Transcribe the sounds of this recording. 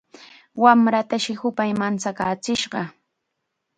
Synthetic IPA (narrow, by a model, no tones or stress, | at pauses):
wamɾat̪aʃɪhʊpajmant͡sakaːt͡sɪʃɢɑ